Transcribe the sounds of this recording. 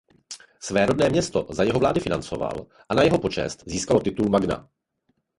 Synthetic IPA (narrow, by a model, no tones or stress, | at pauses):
svɛːɾo̞dnɛːmɲɛst̪o̞zajɛɦovlaːdɪfɪnant͡so̞̰va̰l | ʔanajɛɦo̞po̞t͡ʃɛ̰st̪ziːskalo̞t̪ɪt̪ulmaɡna̰